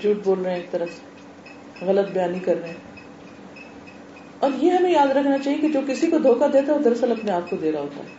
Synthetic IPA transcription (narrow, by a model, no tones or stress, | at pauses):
d͡ʒuːʈ̚boːlɾəɦẽeːk̚t̪ɐɾəfse̥ | ɣɐlət̪̚bjaːnikɐɾːəɦẽ | ɔːɾjeɦɐmẽjaːd̪ɾɐkʰnat͡ʃaːɦiekid͡ʒoːkɪsikod̪ʱoːkad̪eːt̪aɛod̪ɐɾsəlɐpneaːp̚kod̪eːɾaɦoːt̪a̰ɦɛː